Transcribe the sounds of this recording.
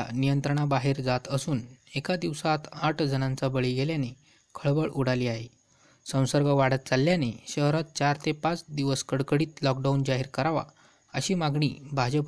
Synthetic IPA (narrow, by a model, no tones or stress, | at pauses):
a̰nijənt̪ɾəɳ̃abaɦeɾd͡zat̪əsuːnekad̪iʋsat̪aʈʰd͡zənãnt͡sabəɭiɡeljane | kʰəɭbəɭuɽ̤aliaɦe | sə̃w̃səɾɡaʋaɽət̪̚t͡salːjaneɕəɦɾat̪̚t͡ɕaɾt̪ʰepat͡sd̪iʋəskəɽkəɽiːt̪lɔk̚ɖaund͡ʑaɦiɾkəɾaʋa̰ | əɕiːmaɡɳḭːbʱad͡ʑəp